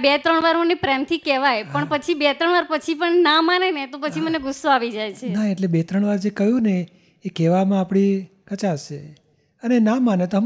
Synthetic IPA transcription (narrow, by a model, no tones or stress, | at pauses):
bet̪ɾəɳʋaɾmənepɾɛmt̪ʰikɛʋajpəɳpət͡ʃʰibet̪ɾəɳʋaɾpət͡ʃʰipəɳnamanenet̪opət͡ʃʰiməneɡʊsːoaʋid͡ʒajt͡ʃʰenaeʈlebet̪ɾəɳ̃ʋaɾd͡ʒekəjũneː | kɛʋamãːpɽ̃i | kət͡ʃaʃe | ənenãmanet̪oɦm